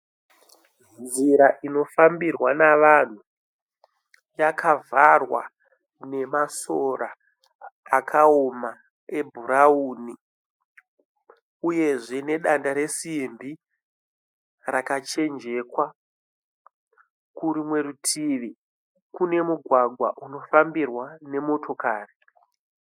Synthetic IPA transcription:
nd͡ziɾaʔino̞fambirwanaʋan̤u | jakʰavarwa̰ | ne̞masoɾaː | kʰaoma | e̞bʱuɾauːni | uje̞ʐe̞ne̞ɗandaɾe̞simbi | rakat͡ʃe̞nd͡ʒe̞kwa | kuɾimwe̞ɾutʰiʋi | kune̞muɡʱwaɡʱwa̰ʔuno̞fambirwane̞mo̞tʰo̞kaːri

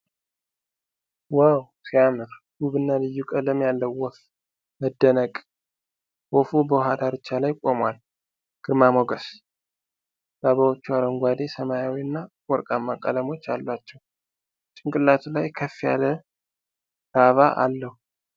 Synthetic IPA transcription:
wawsijamɨɾ | ɡ̥uβɨnːalɨjːukʼələmjalːəwːɔf | məd̪ːənəkʼ | wɔfubəwɦad̪aɾɨt͡ʃːalajkʷʼomwal | ɡ̥ɨɾmamoɡəs | baβawot͡ʃːualəŋɡʷad̪e̞səmajawiɨnːa | wɔɾkʼamːakʼa̰ləmo̞t͡ʃːalːat͡ʃːɛw | t͡ʃʼɪŋkʼɨlːat̪ʰulajkʰəfija̰lə | ɾaβaʔa̰lːəhu

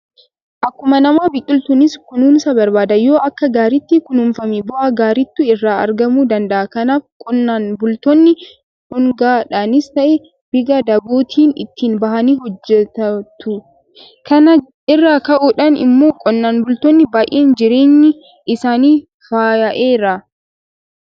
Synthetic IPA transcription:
ʔɐkːʊmɐnɐmaːbɪkʼːɪlt̪ʊnɪskʊnuːnsɐbɐɾbaːd̪ɐjo̞ːʔɐkːɐɡaːɾɪt̪ːikʊnʊmfɐmɛbɔʔaɡaːɾɪt̪ːʊɪrːaːɐ̰ɾɡɐmuːd̪ɐnd̪ɐʔɐkɐnaːfkʼɔnːaːnbʊlt̪ɔnːɪ | hʊŋɡaːᶑaːnɪst̪ɐʔe | b̥ɪɡɐd̪ɐboːt̪ʰiːnɪ̰t̪ːiːnbɐhɐniːɦɔd͡ʒːɛt̪ɐt̪ːʊ | kʰɐnɐ | ɪrːaːkɐʔuːᶑɐnɪ̰mːo̞ːkʼɔnːaːnbʊlt̪ɔnːɪbaːjʔeːnd͡ʒɪɾe̞ːɲːɪ | ɪsaːniː | faːjɐʔeːɾɐ

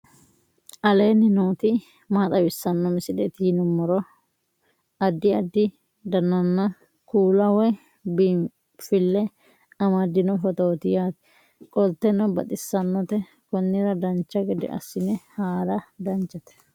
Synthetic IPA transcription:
ʔɐle̞ːnːɪnoːt̪ɪ | maːt̪ʼɐbɪsːɐnːɔmɪsɪd̪ɛt̪iːnʊmːɔɾɔ | ɐd̪ːɪɐd̪ːɪ | d̪ɐnːɐnːɐ | kuːlɐwɔ | bi | fɪlːɛ | ɐmɐd̪ɪnɔfɔt̪oːt̪ɪjaːt̪ɛ̥ | kʼɔlt̪ːɛnɔbɐt̪ʼɪsːɐnːɔt̪ɛ | kɔnːɪɾɐd̪ɐnt͡ʃːɐɡɛd̪ɪ̰ʔɐ̰sːɪnɛhaːɾɐd̪ɐnt͡ʃːɐt̪ɛ̥

